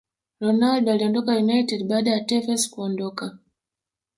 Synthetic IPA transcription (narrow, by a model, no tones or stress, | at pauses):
ɾɔnaldɔaliɔndɔkajunajtɛdɓaːɗajatɛvɛskuɔndɔka